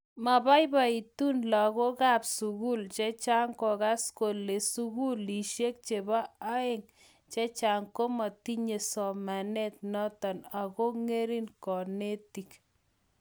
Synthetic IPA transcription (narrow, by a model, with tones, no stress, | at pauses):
ma˨ba˦jba˨i˨tu˦nla˨ɣo˦ka˦psu˨ɣu˦lt͡ʃe˦t͡ʃa˦ŋkɔ˨ka˦sko˨le˨suɣu˦li˨ʃje˦k̚t͡ʃe˨ba˦a˦e˦ŋ | t͡ʃe˦t͡ʃa˨ŋko˦mɔ˨ti˦ɲe˨sɔ˨ma˨nɛ˦t̚nɔ˦tɔ˨na˨ko˦ŋe˦ɾi˦nkɔ˨ne˦ti˨k